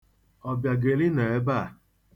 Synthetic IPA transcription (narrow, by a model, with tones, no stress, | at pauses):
ɔ˨bja˨ɡe˨li˦ne˨e˦ba˦˨